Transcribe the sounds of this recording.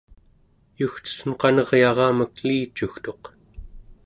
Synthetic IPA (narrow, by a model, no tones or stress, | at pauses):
juxt͡ʃə̥sənqɑnʌʁjɑʁɑːməkliːt͡ʃuxt̪o̞q